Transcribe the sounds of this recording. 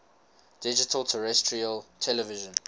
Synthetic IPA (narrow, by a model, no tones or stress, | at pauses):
d̥ɪd͡ʒɪtʰəltʰəɹɛstʰɹiəltʰɛləvɪʒə̃n